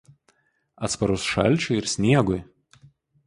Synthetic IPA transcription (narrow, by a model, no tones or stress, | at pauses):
ɐt̪spɐɾʊsʃɐ̰lʲˑt͡ʃʲʊɪɾsʲnʲiɛɡʊj